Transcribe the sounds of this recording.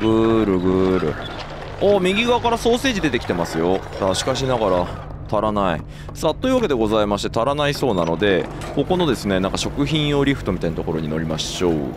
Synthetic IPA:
ɡɯ̟ːɾɯ̟ɡɯ̟ːɾɯ̟̰ | omʲiɡʲiɡakaɾaso̞ːse̞ːʑid̪e̞t̪e̞kʲi̥t̪e̞masɨjo̞ | d̪aɕi̥kaɕ̬inaɡaɾa | t̪ʰaɾanaḭ | sat̪oiɯ̟βaked̪e̞ɡo̞zaimaɕi̥t̪e̞t̪aɾanaiso̞ːnano̞d̪e̞ | ko̞ko̞no̞d̪e̞sɨne̞nãŋkaɕo̞kɯ̟çĩɰ̃jo̞ɾʲiɸɯ̟t̪o̞mʲit̪ainat̪o̞koɾo̞ɲ̟ino̞ɾʲimaɕo̞̰ː

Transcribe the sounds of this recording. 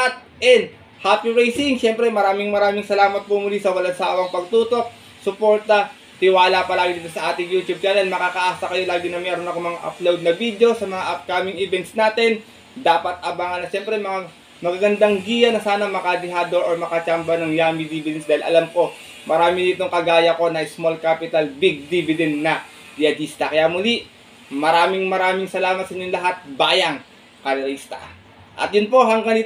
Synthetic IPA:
ɐt̪̚ | ʔɛnd̪ | haːpiɹajsɪŋʃɛmpɾɛmɐɾaːmɪŋmɐɾaːmɪŋsɐlaːmɐt̪̚pomʊlisɐwɐlɐd̪saːwɐŋpɐɡ̚t̪uːt̪o̞k̚ | sʊpo̞ɹt̪ɐ | t̪ɪwaːlapɐlaːɡɪd̪iːt̪osɐʔaːt̪ɪŋjuːt̪jub̚t͡ʃaːnɛlmɐkaːkɐʔaːsɐkɐjo̞laːɡɪnɐmɛːɾonɐkomɐŋaʔɐ̰plowd̪̚nɐvid̪eo̞sɐmɐŋaʔɐp̚kamɪŋɛvɛnt̪snaːt̪ɛn | d̪aːpɐt̪̚ʔɐbaŋɐnɐʃɛmpɾɛmɐŋa | mɐɡɐɡɐnd̪aŋɡijɐnɐsaːnɐmɐkad̪ɪɦaːd̪oɾoɹmɐkɐt͡ʃambɐnɐŋjaːmid̪ibɪd̪ɛnsd̪aːhɪlʔɐ̰lampo̞ | mɐɾaːmɪnit̪oŋkɐɡaːjɐko̞nɐɪsmolkaːpɪt̪ɐlbiɡ̚d̪ibɪd̪ɛnd̪nɐ | d̪ɪjɐd̪ist̪ɐkɐjamʊliʔ | mɐɾaːmɪŋmɐɾaːmɪŋsɐlaːmɐt̪sɐiɲonlɐɦat̪̚baːjɐŋ | kɐɾɐɾist̪ɐ̰ | ʔɐ̰t̪jʊnpo̞ɦɐŋɡɐni

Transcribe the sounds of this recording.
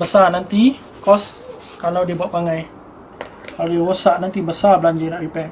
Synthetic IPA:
bəsanant̪i | kɔs | kalawdibuaʔpaŋaj | kalajawosaʔnant̪ibəsabəlaɲd͡ʒanaʔripɛ

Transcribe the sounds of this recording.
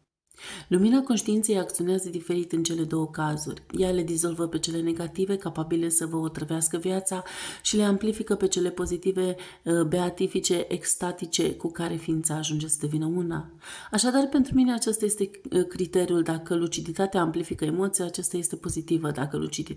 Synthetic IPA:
luminako̞nʃt̪iint̪sejak̚t̪sio̞neazəd̪ife̞ɾit̪ɨnt͡ʃe̞le̞d̪o̞wəkazṵrʲjale̞d̪izo̞lvəpe̞t͡ʃe̞le̞ne̞ɡat̪ive̞kapabile̞səvəot̪ɾəveaskəvjat̪saʃile̞amplifikəpe̞t͡ʃe̞le̞po̞zit̪ive̞ | be̞at̪ifit͡ʃe̞ʔekst̪at̪it͡ʃe̞kukaɾe̞fiːnt̪saːʒund͡ʒe̞səd̪e̞vinəuna̰ | aʃad̪arpe̞nt̪ɾumine̞at͡ʃest̪aje̞st̪e̞kɾit̪e̞ɾiuld̪akəlut͡ʃid̪it̪at̪eaːmplifikəemo̞t̪siaːt͡ʃast̪aje̞st̪e̞po̞zit̪ivəd̪akəlṵt͡ʃid̪i

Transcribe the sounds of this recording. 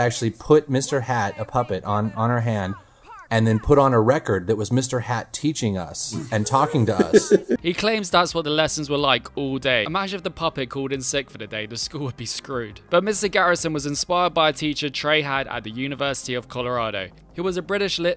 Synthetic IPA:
æk̚t͡ʃʉl̩ˠipʰʊt̚mɪstə˞hæɾəpʰʌpɨɾn̩n̩ə˞ɦæ̃nd | ɨ̃nðɨ̃npʰʊɾn̩əɹɛkə˞d̪̚ðɨt̚wʌzmɪstə˞hætʰit͡ʃɪ̃ŋʌ̰sɨ̃ntʰɔkɪ̃ŋtəʌ̰shikʰl̥ẽɪ̃mzðatswɒʔ̪̚ðəlɛsə̃nzwəlaɪkʰɔːlˠdeɪəmad͡ʒəvðəpʰʌpɪt̚kʰɔːlˠdɪ̃nsɪkfəðɨdeɪðəskuːlˠwəd̚biskɹʉːd̥b̥ʌʔ̚mɪstəɡaɹɪsə̃nwɒzɪ̃nspaɪəd̚baɪətʰiˑt͡ʃətʰɹ̥eɪɦaɾə̰ʔ̪̚ðəjʉnɪvɜˑsɪ̥tiəv̥kʰɒləɹɑːɾəʊ | hʉwɒzəbɹɪɾɪʃlɪt

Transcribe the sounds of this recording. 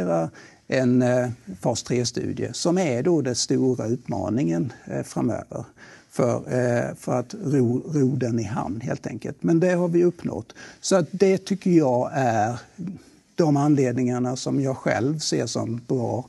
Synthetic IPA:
ɾa | ʔɛnfɑst̪ʰɾeːst̪ʉ̟̰ːd̪ɪə̰sɔmæɾɖod̪ɛnst̪uːɾaʉ̟ːt̪mɑ̰ːnɪŋənfɾamø̰ːvə̰ɾfœ̰ɾfœɾat̪ɾuːɾuːd̪ənɪɦa̰mnɦḛːlt̪ʰɛ̰ŋkə̰lt̪mɛnd̪ɛɦaɾvɪɵpːnɔ̰t̪ːsɔat̪̚d̪ɛt̪ʰʏkːəɾjɑːæɾ | d̪̥ɔmanleːd̪nɪŋaɳasɔmjɑːɧɛ̰lvsḛːʂɔ̰mbɾɑː

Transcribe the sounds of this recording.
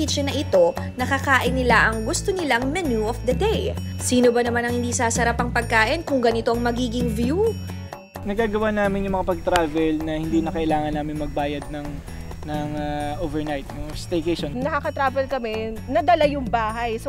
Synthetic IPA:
iːt͡ʃɛnɐʔɪt̪o̞ | nɐkɐkaːʔɪnːɪlaʔɐŋɡʊst̪onɪlaŋmɛnuʔofd̪ɐd̪ejsiːno̞bɐnɐmanɐ̃ŋhɪnd̪iːsaːsɐɾapɐŋpɐɡ̚kaːʔɪnkʊŋɡɐnɪt̪o̞ʔɐŋmɐɡiːɡɪŋvju | nɐɡaːɡɐwanaːmɪnjʊŋmɐŋapɐɡ̚t̪ɾaːvɛlnɐhɪnd̪inɐkɐʔɪlaːŋɐnːaːmɪnmɐɡ̚baːjɐd̪̚nɐŋ | nɐŋaʔoːvɛɹnajt̪̚jʊst̪ɛjkɛʃonnɐkakɐt̪ɾaːvɛlkɐmɛnɐd̪ɐlajʊŋbaːɦɐjs

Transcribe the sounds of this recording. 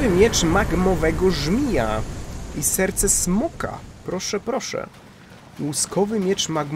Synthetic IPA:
ɘmʲjɛt͡ʂmaɡmɔvɛɡɔʐmʲija̰isɛɾt̪sɛsmɔka̰pɾɔʂɛpɾɔʂɛ̰ | wuskɔvɘmʲjɛt͡ʂmaɡm

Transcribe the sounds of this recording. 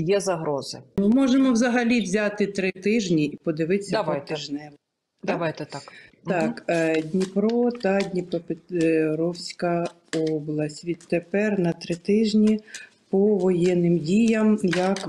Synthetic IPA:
jɛzɐɦɾɔzɪmɪmɔʒemɔwzɐɦɐlʲiwzʲat̪ɪt̪ɾɪt̪ɪʒnʲiipɔd̪ɪʋɪsʲːɐɐɔjt̪ɪʒnɛl | d̪ɐʋajt̪ɛt̪akt̪ɑkdʲnʲipɾɔt̪ɑdʲnʲipɔpɪtɾɔwsʲkɐ | ɔblˠɐsʲtʲʋʲid̪t̪epɛrnɐt̪ɾɪt̪ɪʒnʲi | pɔʋɔjɛnːɪmdʲijɐmjɐk

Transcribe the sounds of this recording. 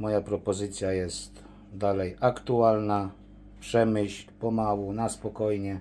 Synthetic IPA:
mɔjapɾɔpɔzɘt̪sʲjajɛst̪ | d̪alɛjʔakt̪ualna | pʂɛmɘɕlʲpɔmawunaspɔkɔjɲɛ

